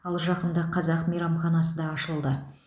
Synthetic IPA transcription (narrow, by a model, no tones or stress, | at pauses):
ɑlˠʒɑqənd̪ɑqʰɑzɑqmejɾɑmχɑnɑsəd̪ɑːʃəlˠd̪ə